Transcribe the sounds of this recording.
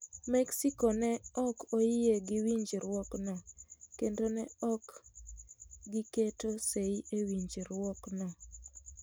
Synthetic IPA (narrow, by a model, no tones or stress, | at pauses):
mɛksikonɛɔkojɪeɡɪwiɲd͡ʒɾwɔknɔkendonɛɔk | ɡɪketoseiewiɲd͡ʒiɾwɔknɔ